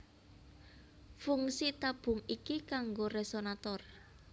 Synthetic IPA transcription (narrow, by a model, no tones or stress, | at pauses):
fuŋsit̪ab̥ʊ̤ŋikikaŋɡoresonat̪ɔr